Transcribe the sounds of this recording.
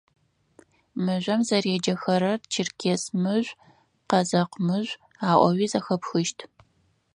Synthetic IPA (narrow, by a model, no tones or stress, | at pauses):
mɨʒʷɐmzɐreːd͡ʒɐxɐɾɐrt͡ʃʰɪrkʲʰeːsmɨʒʷ | qɐzɐqmɨʒʷ | aːʔʷɔwiːzɐxɐpxɨʃtʰ